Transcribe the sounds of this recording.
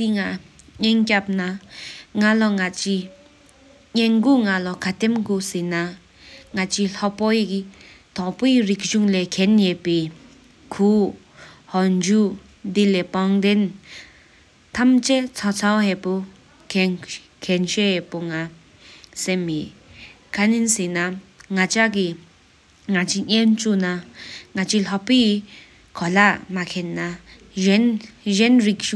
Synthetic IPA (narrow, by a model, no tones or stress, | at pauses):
t̪iŋaɲenkap̚naŋalɔŋat͡ɕi | ɲenɡuŋalɔkʰat̪emɡosena | ŋat͡ɕiːɬɔʔpojikt̪ɑʔporik̚ʑuŋlɛːkʰɛnjepeː | kʰu | hɑd͡ʑu | d̪ileːpɑŋd̪en | t̪ʰamt͡ʃɛt͡sʰɔt͡sʰawhɛpu | kʰɛnʃɛhɛpuŋa | sɛmi | kʰaninsinaŋat͡ʃaɡi | ŋat͡ʃiɲɛnt͡ʃunaŋat͡ʃilɔpi | kʰɔlaʔmakʰɛnːa | nzɛnɾik̚